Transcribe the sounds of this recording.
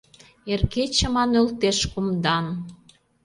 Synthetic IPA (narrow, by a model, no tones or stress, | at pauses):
erket͡ɕə̆mɑnølt̪eʃkumd̪ɑn